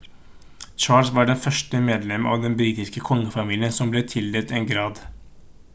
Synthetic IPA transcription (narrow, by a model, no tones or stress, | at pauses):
t͡ʃɑːlsʋɑɖɛnfœʂʈəmeːd̪lɛmʔɑ̰ːʋd̪ɛnbɾiːt̪ɪskəkʰɔŋːəfɑmiːlɪənsɔmbleːt̪ʰɪld̪eːt̪eːnɡɾɑːd̪